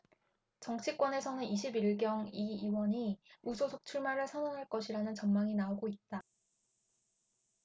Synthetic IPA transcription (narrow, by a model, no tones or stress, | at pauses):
t͡ɕʌŋt͡ɕʰik͈wʌne̞sʰʌnɯniɕʰibiɭɡjʌŋiːwʌɲiusʰosʰok̚t͡ɕʰuɭmaɾɯɭsʰanoŋɦaɭk͈ʌɕʰiɾanɯnt͡ɕʌnmaŋinaoɡoit̚t͈a